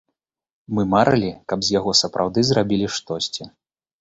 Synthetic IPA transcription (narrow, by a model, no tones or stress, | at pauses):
mɨmaɾʔɐlʲikɐbzʲjaɣɔsɐpɾʔa̰wd̪ɨzɾabʲilʲiʂt̪ɔsʲt͡sʲi